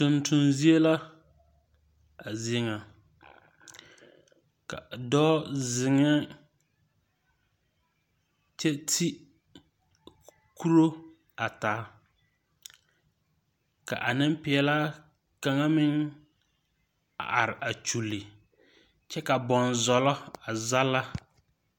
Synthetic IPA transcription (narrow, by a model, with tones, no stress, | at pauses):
tʊ˨ntʊ˨nzi˦e˦la˦ | a˨zi˨˦e˦ŋa˨ | ka̰˨dɔː˦zɪ˨ŋɪ˦ | t͡ʃɛ˦tʰi˦ | ku˦ɾo˦ | a˨taː˨˦ | ka̰˨ʔa˨nɪ˦mpɪ˨ɛ˨la˦ | ka˨ŋa˦mɪ˦ŋ | a̰˨ʔa˨ɾɪ˨ʔa˨t͡ʃu˨lːɪ˨ | t͡ʃɛ˦ka˨bɔ˨nzɔ˨lɔ˦a˨za˦la˦